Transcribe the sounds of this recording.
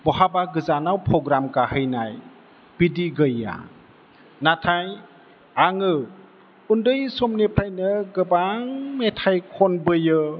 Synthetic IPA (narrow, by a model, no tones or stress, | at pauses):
bɔhabaɡɯzanawpʰɾɔɡɾamkahɯjnaj | b̥idiɡɯjːa̰ | natʰaj | aŋɯ | undɯjsɔmnipʰɾajnɯɡɯbaŋmetʰajkʰɔnbɯjɯ